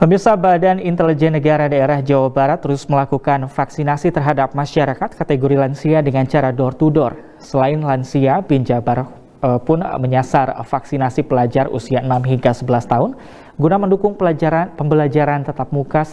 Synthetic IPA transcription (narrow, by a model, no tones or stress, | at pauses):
pəmirsabadanint̪ɛlid͡ʒɛnːəɡaɾadaeɾahd͡ʒawabaɾat̪ːəɾʊsməlakukanfaksinasit̪ərɦadap̚maʃaɾakat̪̚kat̪eɡoɾilansiadəŋant͡ʃaɾadɔrt̪udɔr | səlaɪnlansiabiɲd͡ʒabaɾ | əpʊnməɲasarfaksinasipəlad͡ʒarṵsiaənamɦiŋɡasəbəlast̪aɦʊn | ɡunaməndukʊŋpəmbəlad͡ʒaɾant̪ət̪ap̚mukas